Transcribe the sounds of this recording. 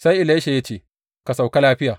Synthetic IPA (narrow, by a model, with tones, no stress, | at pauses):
sa˦jʔɪ˨la˦ʃe˨ja˦t͡ʃeː˦˨ | ka˨sa˨wka˦laː˦ɸɪ˦jaː˨